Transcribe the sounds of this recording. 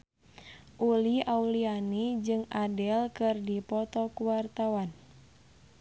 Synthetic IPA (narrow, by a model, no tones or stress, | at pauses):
ʔuliaulianid͡ʒɨŋadɛlkɨrdipɔt̪ɔkuwart̪awan